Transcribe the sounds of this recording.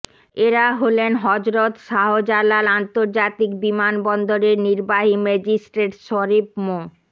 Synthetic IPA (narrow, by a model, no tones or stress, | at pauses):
eɾaɦolenɦɔd͡ʑɾot̪ʃaɦod͡ʑalalant̪oɾd͡ʑat̪ikbimanbɔnd̪oɾeɾniɾbaɦimɛd͡ʑisʈɾeʈʃɔɾip̚mo